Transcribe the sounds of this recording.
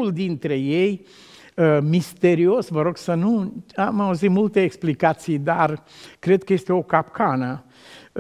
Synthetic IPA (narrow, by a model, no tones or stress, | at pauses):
uld̪int̪ɾe̞jej | əmist̪e̞ɾio̞svəɾo̞ɡsənuamauzit̪mult̪eːksplikat̪sijd̪arkɾe̞d̪̚kəje̞st̪eo̞kapkʰanə